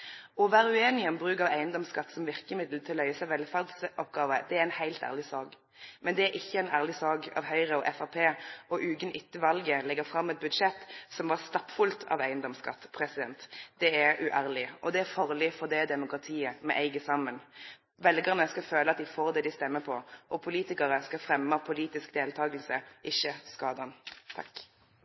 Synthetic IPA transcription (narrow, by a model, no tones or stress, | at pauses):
ɔʋæːʁʉeːnɪəəmbʁʉːkɑʋæɪənd̪ɔmskɑt̪ːsɔmʋɪʁkəmɪd̪lət̪ʰɪllːœʏəsæɪʋɛlfæʁd̪sʔɔpɡɑːʋəd̪̥ɛæɾɛɪnhæɪlt̪æ̰ʁlɪsɑːɡ | mɛnd̪ɛæɾʔɪçːəɛɪnæːʁlɪsɑːɡɑ̰ːʋhœʏʁəɔʔɛfɑpʰeːɔʔʉːɡənʔɪt̪ːəʋɑlɡəlɛɡəfɾɑmːɛt̪̚bʉd̪ʂɛt̪ːsɔmʋɑʁst̪ɑpfʉlt̪ʰɑ̰ʋæɪənd̪ɔmskɑ̰t̪ːpʰɾɛsɪd̪ɛnt̪d̪̥ɛæʉʔæːʁlɪʔɔd̪ɛæfɑʁlɪfɔʁd̪ɛd̪ɛmʊkʁɑt̪ʰiːəmɛ̰ʔæɪɡəsɑmən | ʋɛlɡəʁnəskɑføːləɑt̪̚d̪ɪfoːʁd̪ɛːd̪ɪst̪ɛmːəpʰɔʔɔpʰʊliːt̪ɪkɑʁəskɑfɾɛmːəpʰʊliːt̪ɪskd̪eːlt̪ʰɑːɡəl̩səʔɪçːəskɑːd̪ɑnt̪ʰɑ̰k